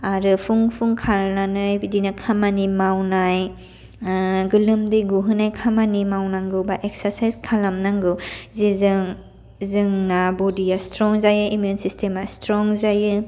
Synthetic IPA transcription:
aɾɯpʰuŋpʰuŋkʰaɾnanɯjbidinakʰamanimawnaj | ɡɯlɯmdɯjɡuɦɯnajkʰamanimawnaŋɡɯwbaʔek̚saɾsajzkʰalamnaŋɡɯwzizɯŋ | zɯŋnabɔdijastɾɔŋzajɯimjunsistʰemastɾɔŋzajɯ

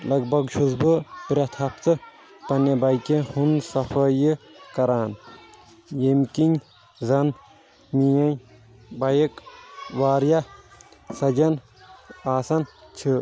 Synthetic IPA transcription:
lɐɡ̚bɐɡʃʰuzbɨpɾʲɐt̪ʰɐpt͡s̪ɨ | pɐnebɐjkehunsɐfʰɐjɨkɐɾaːn | jemkinʲ | zɐn | mijɐj | bɐjikʋaːɾjɐ | sɐd͡ʒɐn | aːsɐnt͡ʃʰɨ

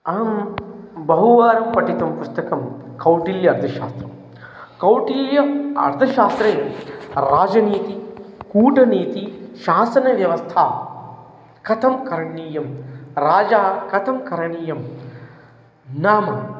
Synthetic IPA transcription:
ɐːm | bɐɦuʋaːɾɐmpɐʈit̪ɐmpust̪ɐkɐmkɐwʈiːljɐɐɾd̪ʰʱɐʃaːst̪ɾɐm | kɐwʈiːljɐɐ̰ɾt̪ʰɐʃaːst̪ɾeːɾaːd͡ʒɐniːt̪ikuːʈɐniːt̪iʃaːsɐnɐʋjɐʋɐst̪ʰaː | kɐt̪ʰɐmkɐɾɐɳiːjɐmɾaːd͡ʒaːkɐt̪ʰɐmkɐɾɐɳiːjɐm | naːmɐ

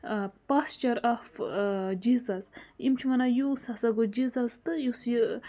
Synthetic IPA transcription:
past͡ʃɐɾafd͡ʒizɐzimt͡ʃʰimɐnajusasaɡod͡ʒizɐzt̪ɨjusi

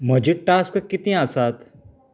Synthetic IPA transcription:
mɐd͡ʒiʈʈaːskɐkɪt̪ĩaːsaːt̪

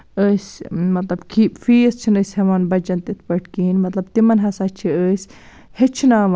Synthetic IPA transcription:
əːsʲmɐt̪lɐbkʰiːfiːst͡ʃʰinəsʲhɐʋaːnbɐd͡ʒɐnt̪it̪ʰpɐʈʰkiːnmɐt̪lɐb̚t̪imɐnɦɐsat͡ʃʰiəːsʲ | het͡ʃʰinaːʋ

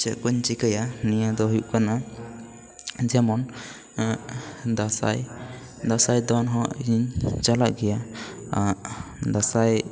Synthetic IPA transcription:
t͡ʃɛkuɲt͡ʃikajanijad̪ɔɦujuʔkana | d͡ʒɛmɔn | d̪asa̰j | d̪asajd̪ɔnɦɔʔiɲt͡ʃalaʔɡɛja | ad̪asaj

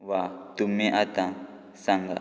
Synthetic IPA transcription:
wat̪umiʔat̪ã | saŋɡa̰

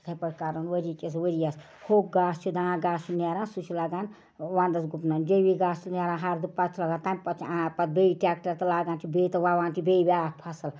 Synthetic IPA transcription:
t̪ʰɐpɐɽkaːɾɐnʋəɾikʲeswəɾijas | hok̚ɡaːst͡ʃʰud̪ããɡaːst͡ʃʰunaɾãːnsut͡ʃʰilaːɡaːn | ʋãːnd̪ɐsɡupnand͡ʒebiɡaːst͡ʃʰunaɾãːnɦaɾd̪upɐt͡ʃʰlaɡaːnt̪aːnʲpɐt͡ʃʰãapɐt̪̚beiʈak̚ʈɐɾt̪ɐlaːɡaːntʰibet̪ɐʋaʋãːntʰibejbʲaːk̚pʰɐsɐl

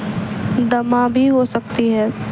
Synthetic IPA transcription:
d̪ɐmãbʱiɦosɐk̚t̪iɦɛ̃ː

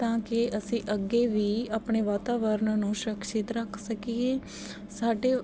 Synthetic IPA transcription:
t̪ãːkɪʔəsĩːʔəɡeːʋiːaːpɳeːʋaːt̪aːʋəɾnnũːʃɾəkʃɪt̪ɾəkʰsəkiːeː | saːɖeː

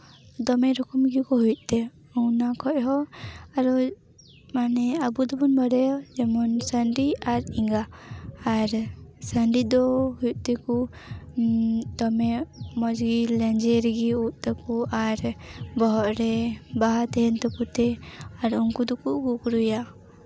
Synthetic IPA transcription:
d̪ɔmɛɾɔkɔmɡikɔɦutʔ̪̚t̪ɛ | ɔwnakʰɔʔɦɔaɾɔ | manɛabud̪ɔbɔnbaɽɛd͡ʒɛmɔnsaɳɖiaɾiŋɡaː | ɾsaɳɖid̪ɔhujt̪̚ˀt̪ɛku | t̪ɔmɛmɔd͡ʒɡilɛnd͡ʒɛɾɛɡiuʔ̪̚ˀt̪ɔpuaɾbɔɦɔʔɾɛbaɦat̪ɛɦɛnt̪ɔput̪ɛaɾuŋkud̪ɔkuɡukɾuja

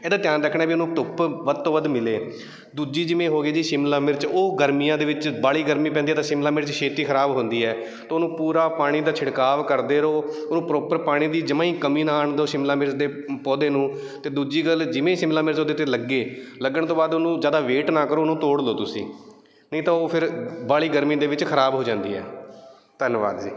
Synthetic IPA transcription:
eːd̪aːt̪jaːnɾəkʰɳãɛːbiːʊnũːt̪ʊpʋəd̪̚t̪oːʋəd̪mɪleː | d̪uːd͡ʒiːd͡ʒɪʋẽːɦoːɡeːd͡ʒiːʃɪmlãːmɪɾt͡ʃoːɡəɾmiːjãːd̪eːʋɪt͡ʃbaːɭiːɡəɾmiːpɛ̃nd̪iɛːt̪ãːʃɪmlaːmɪɾt͡ʃʃʰeːt̪iːkʰəɾaːbɦʊ̃nd̪iːɦɛː | t̪oːnũːpuːɾaːpaːɽ̃iːd̪aːt͡ʃʰɪɽkaːʋkəɾd̪eːɾoːonũːpɾoːpəɾpaːɽ̃iːd̪iːd͡ʒəmãːĩːkəmiːnaːɳd̪oːʃɪmlãːmɪɾsd̪eː | pɔːd̪ẽːnũː | t̪eːd̪uːd͡ʒiːɡəld͡ʒɪʋẽːʃɪmlaːmɪɾt͡ʃoːd̪eːt̪eːləɡːeːləɡːəɽt̪oːbaːd̪onũːzjaːd̪aːʋeːʈnaːkəɾoːnũːt̪oːɽloːt̪ʊsḭ̃ː | nəĩːt̪aːoːpʰɪɾbaːɭiːɡəɾmiːd̪eːʋɪt͡ʃkʰəɾaːbɦoːd͡ʒãːnd̪ḭːɦɛ̰ː | t̪ənʋa̰ːd̪ḭː

